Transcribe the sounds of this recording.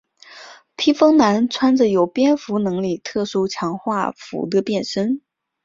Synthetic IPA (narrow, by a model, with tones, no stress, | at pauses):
pʰi˥fɤ˥ŋna˧˥nt͡sʰwa˥nd͡zə˨jo˨˩ʊpjɛ˥nfu˧˥nɤ˧˥ŋli˥˩t̪ʰɤ˥˩ʂu˥t͡ɕʰjɑ˧˥ŋxwa˥˩fṵ˧˥d̪ə˧pjɛ˥˩nʂə˥n